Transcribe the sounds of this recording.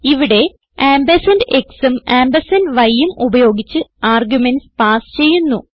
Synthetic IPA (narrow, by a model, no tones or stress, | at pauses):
iʋiɽe̞ | aːmbɐsɐnde̞ksɨmaːmbɐsɐnʋɐjːumubɐjo̞ːɡit͡ɕːɨaːrɡjumenspaːst͡ɕe̞jːunːu